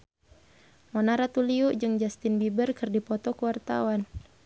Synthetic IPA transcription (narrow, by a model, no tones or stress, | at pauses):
mɔnaɾat̪uliuʔd͡ʒɨŋd͡ʒast̪ɪnbibərkɨrdipɔt̪ɔkuwart̪a̰wan